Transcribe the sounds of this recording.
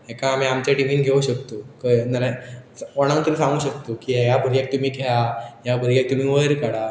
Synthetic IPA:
ɦekãːmiamt͡ɕaʈim̤inɡʱeũɕək̚t̪ukəjnəɾasɔɽ̃ãnt̪umisãŋɡuːɕək̚t̪ukiajabʱəɾjak̚t̪um̤iːɡʱejajabʱəɾijak̚t̪um̤iːʋəjɾkəɽa

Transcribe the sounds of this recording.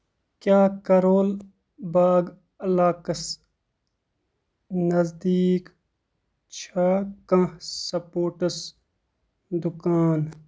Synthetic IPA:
kjaːkɐɾoːl | baːɡ | ɐlaːkɐs | nɐzd̪iːk | t͡ʃʰakɐ̃hsɐpoːʈɐs | d̪ukaːn

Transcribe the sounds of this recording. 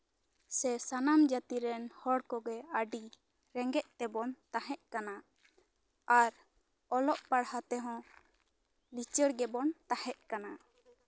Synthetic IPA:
sɛsanamd͡ʒat̪iɾɛnhɔɽkɔɡɛəɖi | ɾɛŋɡɛʔ̚t̪ɛbɔnt̪aɦɛʔ̚kana | aɾ | ɔlɔʔpaɽhat̪ɛɦɔ̃ | lit͡ʃəɽɡɛbɔnt̪ahɛʔ̚kana

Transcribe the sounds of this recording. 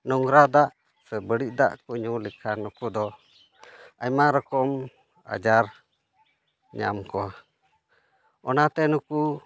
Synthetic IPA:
nɔŋɾad̪aʔ | sɛbəɽiʔ̚d̪a̰ʔkuɲulikʰanukud̪ɔ | ajmaɾɔkɔm | a̰d͡ʒaɾ | ɲa̰mkɔ | ɔnat̪ɛnuku

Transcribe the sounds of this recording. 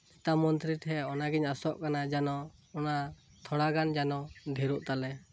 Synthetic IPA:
ɛt̪amɔnt̪ɾit̪ʰɛɔnaɡiɲasɔʔkanad͡ʒanɔ | ɔna | t̪ʰɔɽaɡand͡ʒanɔd̪ʱiɾuʔt̪alɛ

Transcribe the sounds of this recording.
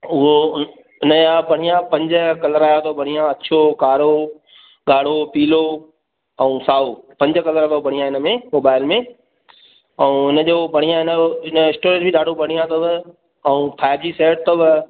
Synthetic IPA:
ʊɦo | ɪnəapɐɽ̤ijãpɐ̃ɲd͡ʑəkɐləɾaːjat̪ʰobɐɽ̤ijãɐt͡ɕʰokaːɾo | ɠaːɽ̤opiːlo | ɛ̃ũːsaːopɐ̃ɲd͡ʑəkɐləɾt̪obɐɽ̤ijãɪnə̆mẽmoːbaːɪlmẽ | ɛũɪnə̆d͡ʑoːbɐɽ̤ijãɪnəɪnəɪ̃sʈoːɾẽʈbʱɪɗaːɖʱopɐɽ̤ijãt̪obɪ | ɛũːpʰaːɪb̚d͡ʑiːseːʈ̚t̪obɪ

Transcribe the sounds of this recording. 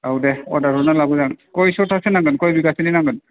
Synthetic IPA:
awdɛɔ̰daɾɔnalabɔzankojsɔtʰasɛnaŋɡɯnkojbiɡasininaŋɡɯn

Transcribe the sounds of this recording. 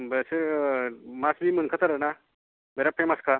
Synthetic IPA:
bəse | masmim̤əɳkʰat̪aɾəna | meɾapʰeməskʰa

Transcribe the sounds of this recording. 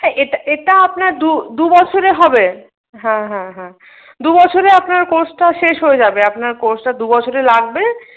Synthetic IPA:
ɦɛʔeʈaʔeʈaapnaɾd̪ud̪ubɔt͡ɕʰoɾeɦɔbe | ɦɛ̃ɦɛ̃ɦɛ̃ | d̪ubɔt͡ɕʰoɾeapnaɾkoɾsʈaʃeʃɦojed͡ʑabeapnaɾkoɾsʈad̪ubɔt͡ɕʰoɾelaɡ̚be

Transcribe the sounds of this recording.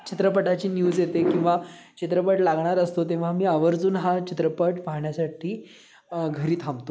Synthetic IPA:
t͡ɕʰit̪ɾəpəʈat͡ɕiːnjuːd͡zjet̪ekĩw̃ʋa | t͡ɕit̪ɾəpəʈlaɡʱɳaɾəst̪ot̪ẽʋ̤amiːaʋəɾd͡zuːnɦat͡ɕʰit̪ɾəpəʈpaɦɳjasaʈʰiː | ɡʱəɾiːt̪ʰãmt̪o

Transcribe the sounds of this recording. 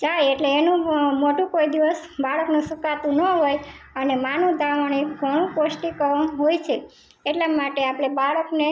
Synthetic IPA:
d͡ʒajeʈleːnũmoʈũkoid̪iʋəsbʱaɭəknũsukat̪ũnəɦoj | ənemanũd̪ʱaʋaɽ̃iɡʱəɽ̃ũkosʈikəʋãɦojt͡ʃʰe | eʈlamaʈeapɽ̃ebʱaɭəkne

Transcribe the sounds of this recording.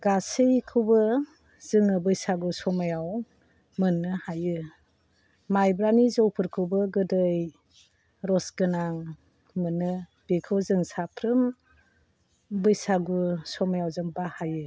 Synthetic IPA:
ɡasɯjkʰɯwbɯ | z̥ɯŋɯbɯjsaɡusɔmajaw | mɯnːɯhajɯ | majbɾanizɔwpʰɯɾkʰɯwbɯɡɯdɯj | ɾɔsɡɯnaŋ | mɯnːɯb̥ekʰɯwzɯŋsapʰɾɯm | bɯjsaɡusɔmajawzɯŋbahajɯ

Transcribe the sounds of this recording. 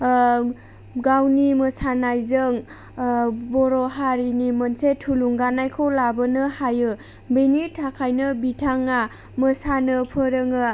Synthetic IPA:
ɡawniməsanajzɯŋ | bɔɾɔɦaɾinimənsetʰuluŋɡanajkʰowlabənɯhajɯ | bejnitʰakʰajnɯbitʰaŋa | məsanɯpʰɯɾɯŋɯ

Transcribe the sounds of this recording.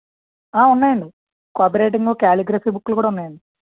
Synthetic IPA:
aːunːaːjɐɳɖɨ | kaːbɾeːʈ̬ːiŋɡoːkaːliɡɾɐfiːbukːulkuːɽɐunːaːjɐɳɖu

